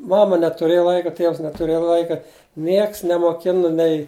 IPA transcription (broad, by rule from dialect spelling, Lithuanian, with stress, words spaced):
ˈmɑːmɐ nʲɛtʊˈrʲeːjɛ ˈlˠɐɪkɐ ˈtʲiɛws nʲɛtʊˈrʲeːjɛ ˈlˠɐɪkɐ ˈnʲiɛks nʲɛmoːˈkʲɪnɐ nʲɛɪ